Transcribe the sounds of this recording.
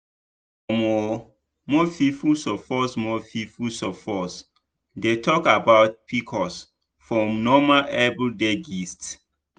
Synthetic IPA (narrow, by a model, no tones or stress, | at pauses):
ɔmɔ | mɔfifusɔfɔsmɔfifusɔfɔs | detʰɔkabaʊt̚pʰikʰɔs | fɹɔ̃mnɔmaʔɛbldeɡist